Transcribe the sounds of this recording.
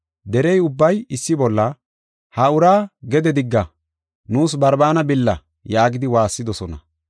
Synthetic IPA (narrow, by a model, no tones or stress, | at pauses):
d̪ɛɾɛjʊbːɐjɪsːɪbɔlːɐ | hɐʊɾaːɡɛd̪ɛd̪ɪɡːɐ | nuːsbɐɾbaːnɐbɪlːɐ | jaːɡɪd̪ɪwaːsːɪd̪ɔsɔnɐ